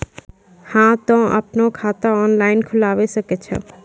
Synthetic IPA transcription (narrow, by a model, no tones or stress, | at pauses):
hãt̪ɔ̃ə̰pnokʰaːt̪aɔːnlaːɪnkʰʊlaːʋesəket͡ʃʰɔ̰